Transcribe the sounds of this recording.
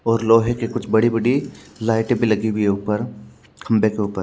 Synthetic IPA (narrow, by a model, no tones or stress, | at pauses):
ɔːɾloːɦekekʊt͡ʃʰbɐɽibɐɽilaːɪʈẽbʱilɐɡiwʱieuːpəɾ | kʰɐ̃mbekeuːpəɾ